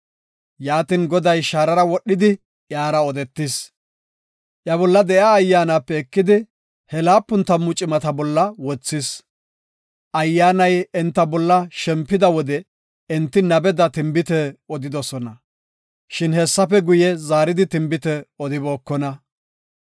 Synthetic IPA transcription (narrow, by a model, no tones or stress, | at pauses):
jaːt̪ɪnɡɔd̪ɐjʃaːɾɐɾɐwɔɗːɪd̪ɪ | ʔjaːɾɐɔd̪ɛt̪ːɪs | ʔjɐbɔlːɐd̪ɛʔaːjːaːnaːpːɛːkːɪd̪ɪ | hɛlaːpːʊnt̪ɐmːʊt͡ʃʼɪmɐt̪ɐbɔlːɐwɔt͡sːɪs | ʔɐjːaːnɐjɛnt̪ːɐbɔlːɐʃɛmpːɪd̪ɐwɔd̪ɛ | ɛnt̪ːɪnɐbɛd̪ɐt̪ɪmbɪt̪ɛɔd̪ɪd̪ɔsɔnɐ | ʃɪnhɛsːɐfɛɡʊjɛzaːɾɪd̪ɪt̪ɪmbɪt̪ɛɔd̪ɪbo̞ːkːɔnɐ